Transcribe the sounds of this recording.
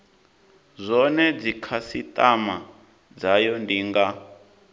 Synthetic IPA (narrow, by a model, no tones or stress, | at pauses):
zʷɔnɛd͡zikʰasitʼama | d͡zajɔndiːŋɡa